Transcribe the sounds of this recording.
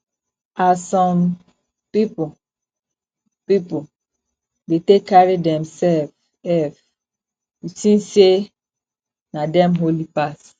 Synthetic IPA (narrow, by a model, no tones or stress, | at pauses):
asɔ̃m | pipu | pipu | detekːaɹidɛ̃msɛlv | ɛv | jisĩnse | nadɛ̃mɦolipas